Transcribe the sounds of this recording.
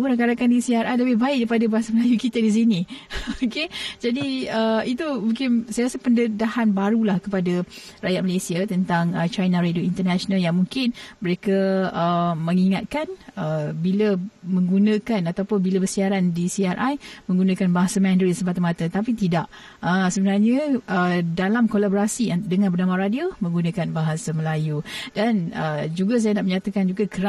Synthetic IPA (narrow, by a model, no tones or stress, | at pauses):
uɾaŋkaɾakandisiaɾʔajləbɪhbaɪk̚daɾipadabaɦasaməlajukit̪ədis̬inĩoked͡ʒadiəit̪umuŋkɪnsajasapəndədahanbaɾulahkəpadarajat̪̚məlesiat̪ənt̪aŋət͡ʃajnaɾadoint̪ərnaʃonaljaŋmuŋkɪnməɾekəəmə̃ŋiŋat̪̚kanəbiləmə̃ŋɡunə̃kanat̪awpʊnbilabərsiaɾandisiaɾʔajmə̃ŋɡunãkanbaɦasamɛ̃ndɾisəmpat̪amat̪ət̪apit̪idaʔ | əsəbənarɲəʔədalamkolaboɾasiadəŋãnbərnamaɾadiomə̃ŋɡunãkanbaɦasaməlajudanəd͡ʒuɡas̬ajanaʔməɲãt̪akand͡ʒuɡakəɾa